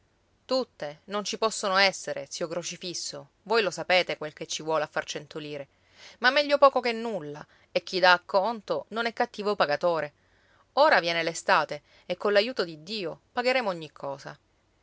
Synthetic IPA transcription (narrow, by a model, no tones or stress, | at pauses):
t̪ut̪ːenont͡ʃipɔsːonoɛsːeɾʔḛsiːokɾot͡ʃifisːo | vojlosapeːt̪ekwelket͡ʃːivwɔːleafːart͡ʃent̪oliːɾe | mamːɛʎːopɔːkokenːulːa | ek̟ːid̪aːkːɔnt̪ononɛkːat̪ːiːvopaɡat̪oːɾe | oːɾavjɛːnelest̪aːt̪e | ekːolːajuːt̪od̪id̪ːiːopaɡeɾeːmooɲːikʰːɔːsa̰